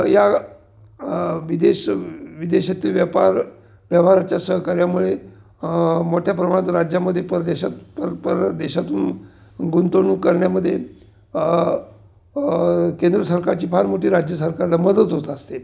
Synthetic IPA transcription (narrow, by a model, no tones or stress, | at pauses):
ja | ʋid̪eɕʋid̪eɕat̪iːlʋjəpaɾ | ʋjəʋɦaɾat͡ɕjasəɦəkaɾjamuɭe | moʈʰjapɾəmaɳt̪ɾad͡ʑjaməd̪ʱjepəɾd̪eɕat̪pəɾpəɾd̪eɕat̪uːn | ɡunt̪oɳuːkəɾɳjaməd̪ʱːje | kend̪ɾəsəɾkaɾt͡ɕiːpʰaɾmoʈiːɾad͡ʑjəsəɾkaɾlaməd̪ət̪ɦot̪aəst̪e